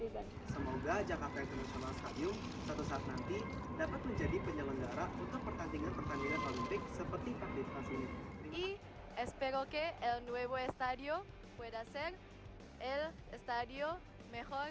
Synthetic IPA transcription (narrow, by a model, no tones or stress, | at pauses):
səmoɡad͡ʒakart̪aint̪ərnasionalst̪adiu | sat̪usaːt̪̚nant̪i | dapat̪̚məɲd͡ʒadipəɲələŋɡaɾaut̪ʊpərt̪andiŋanp̪ərt̪aŋɡaɲanʔolinp̪ɪk̚səpərt̪ikakdit̪̚masinii | espeɾokeelnweβoest̪aðjo | pweðaseɾ | el | est̪aðjo | mexoɾ